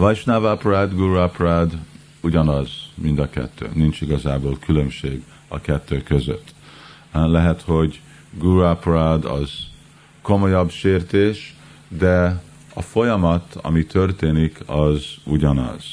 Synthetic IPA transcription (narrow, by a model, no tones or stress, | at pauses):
vɒjʃnavaprad̪ɡuɾuaprad̪ | uɟɒnɒzmind̪ɒkɛ̰t̪ʰːø̰ːnint͡ʃiɡɒzaːboːlkylømʃeːɡ | ɒkɛt̪ːøːkøzø̰t̪ː | lɛɦɛt̪ho̞ɟ | ɡuɾuaprad̪ɒ̰z̥ | ko̞mo̞jɒbʃeːrt̪eːʃ | d̪ɛ | ɒfo̞jɒmɒt̪ʰɒ̰mit̪ʰørt̪eːnikʰɒzuɟɒnɒ̰z̥